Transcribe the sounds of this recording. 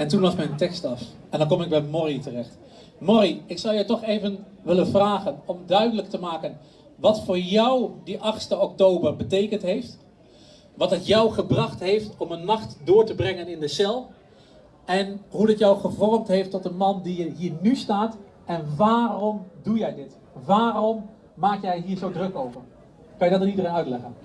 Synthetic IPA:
ɛntunlɑsmɛjntɛkstɑf | ɛndɑnk̬ɔmɪɡ̚bɛjmɔritərɛχt | mɔriɪksʌwjəwtɔχejvən | ʋɪlənvraːχənɔmdœɥdələk̚təmaːkən | ʋɑtfʊːɹjʌwdiʔɑχstəɔk̚towbərbətejkəntɦejft | ʋɑtɦətjɔwχəbrɑχtɦejftɔmənmɑχtdʊːɹtəbrɛŋənɪndəsɛlˠ | ʔɛnɦudɪtjɔwχəvɔrmtɦejftɔt̚dəmɑndiəɦiːɹnystaːt | ʔɛnʋaːrɔmdujɛjdɪt | ʋaːrɔm | maːkjɛjɦiːɹzowdrɵkowvər | kɑnjəɡdɑtənidəreːnœɥtlɛχən

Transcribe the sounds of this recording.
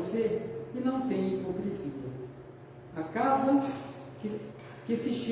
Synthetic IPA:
seɪnɐ̃w̃t̪ẽj̃ʊpɾĩsĩpʊ | akazɐ | k | kɪsɪʃ

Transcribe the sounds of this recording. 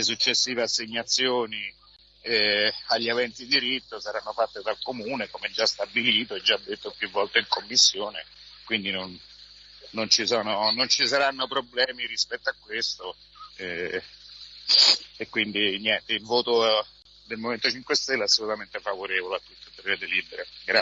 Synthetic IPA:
les̬ut͡ʃːesːiːveasːeɲːat̪sːjoːni | ɛaʎːavɛnt̪id̪iɾit̪ːosaɾanːofat̪ːed̪alkomuːnekomɛd͡ʒːast̪abiliːt̪oɛd͡ʒːad̪ːet̪ːopjuvːɔlt̪eiŋkomːisːjoːne | kwind̪inonː | ont͡ʃisɔːnonont͡ʃisaɾanːopɾoblɛːmiɾispɛt̪ːoakːwest̪o | ɛ | ekːwind̪injɛnt̪eilvoːt̪o | d̪elmoment̪ot͡ʃiŋkwest̪ɛlːeasːolut̪ament̪eɛfavoɾeːvoleat̪ːut̪ːot̪ːɾed̪eliːbeɾeɡɾa

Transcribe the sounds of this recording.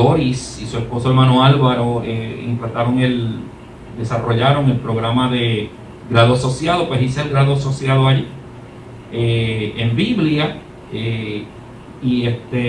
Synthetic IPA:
oɾisisue̞spo̞soe̞ɾmãno̞alβaɾoeḛnt̪ɾat̪aɾo̞ŋe̞l | d̪e̞saro̞ʝaɾoŋe̞lpɾo̞ɣɾamaðe̞ | ɡɾaðoaso̞sjaðo̞pwesiseelɡɾaðoso̞sjaðoaʝi | eembiβlja | e | iest̪e

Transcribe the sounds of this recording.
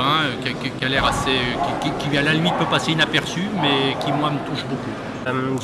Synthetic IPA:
ɛ̃økʲɛkkʲalɛʁaseøkʲikʲikʲivalalimit̪̚pøpaseynapɛʁsymɛkʲimwamət̪uʃboku | am

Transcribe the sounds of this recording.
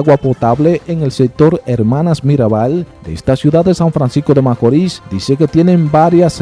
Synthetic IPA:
ɣwapo̞t̪aβle̞ʔeŋe̞lsek̚t̪o̞ɾeɾmãnasmiɾaβald̪eest̪asjuðaðesaɱfɾansisko̞ðe̞makoɾisd̪ise̞ke̞t̪je̞ne̞mbaɾjas

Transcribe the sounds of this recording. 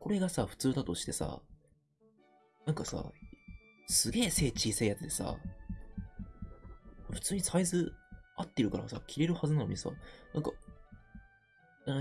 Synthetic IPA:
ko̞ɾe̞ɡasaɸɯ̟̥t͡sɨːd̪at̪o̞ɕi̥t̪e̞sa̰ | nãŋkasa̰ | sɨɡʲe̞ːse̞ːt͡ɕiːseijat͡sɨt̪e̞sa̰ | ɸɯ̟̥t͡sɨːɲ̟isaizɨat̪ːe̞ɾɯ̟kaɾasa̰kʲʰiɾe̞ɾɯ̟hazɨnano̞̰ɲ̟isa̰nʔãŋka

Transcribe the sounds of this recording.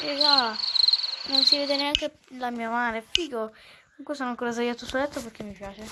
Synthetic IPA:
iza | nonsiveːd̪eneaŋke | lamiːamaːnefiːko | kmuŋkwesoːnoaŋkoːɾazajat̪ːusolɛt̪ːopeɾk̟emːipjaːt͡ʃe

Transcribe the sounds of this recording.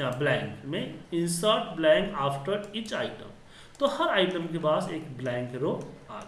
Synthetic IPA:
ãːblɛ̃ːŋkmẽɪ̃nsəɾʈblɛ̃ːŋkaːfʈəɾiːt͡ʃaːɪʈə̰̃m | t̪ohɐɾaːɪʈəmkepaːseːkblɛ̃ːŋkɾoːaː

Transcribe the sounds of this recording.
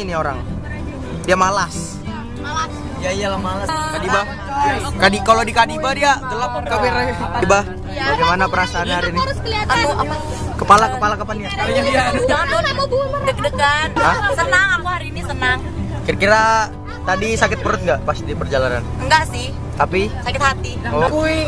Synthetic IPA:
nioɾa̰ŋ | diamalas | malas | jaialahmalaskadiba | kadikalodikadibadiaɡəlap̚kamɪradiba | baɡejmanapəɾasaːnaɾinɪamuʔa̰pa | kəpalakəpalakapandijaad͡ʒaŋanlodəkədəkan̚asənaŋamuhaɾiːnisənaŋ | kirkiɾa | t̪adisakɪt̪̚pəɾʊt̪̚ŋɡaʔpast̪idipərd͡ʒalaɾa̰nŋɡaʔsɪh | t̪apisakɪt̪hat̪io

